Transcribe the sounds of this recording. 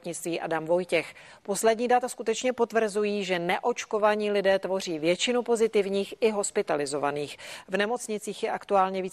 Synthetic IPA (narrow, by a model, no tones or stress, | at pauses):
t̪ɲɪt͡st̪viːʔa̰damvo̞jcɛx | po̞slɛdɲiːdat̪askut̪ɛt͡ʃɲɛpo̞t̪vr̩zujiːʒɛnɛʔo̞t͡ʃko̞vaɲiːlɪdɛːt̪vo̞r̝iːvjɛt͡ʃɪnupo̞zɪt̪ɪvɲiːxɪɦo̞spɪt̪alɪzo̞va̰niːxvnɛmo̞t͡sɲɪt͡siːxjɛʔakt̪uaːlɲɛviː